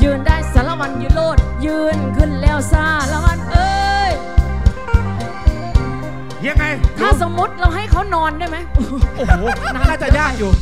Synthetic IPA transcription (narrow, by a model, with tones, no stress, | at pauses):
jɯː˧ndaː˧˥˩jsaː˨˦la˧wa˧˥njɯː˧˩loː˧˥˩t̪̚jɯː˧nkɯ˧˩˨nlɛː˧˩wsaː˧˩la˧˨wa˧˥nʔɤː˧j | ja˧˥˩ŋːa˧jt̪ʰaː˧˥˩sa˨˦mmo˨˦˥t̪̚ɾa˧wɦa˥˩jkʰa˨˥wnɔː˧ndaː˥˩jma˦˥j | n˧˥aː˧˥˩t͡ɕa˨˧ɲaː˥˩˧k̚juː˨˩